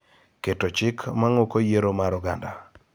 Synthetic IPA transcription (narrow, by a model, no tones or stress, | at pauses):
ketot͡ʃɪkʰmaŋokojeɾomaɾɔɡanda